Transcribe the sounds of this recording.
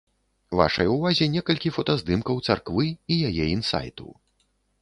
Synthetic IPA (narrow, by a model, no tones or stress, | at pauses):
va̰ʂɐ̰juvazʲɛnʲɛkɐlʲkʲifɐt̪azd̪ɨmkɐwt̪sarkvɨijajɛinsa̰jt̪ṵ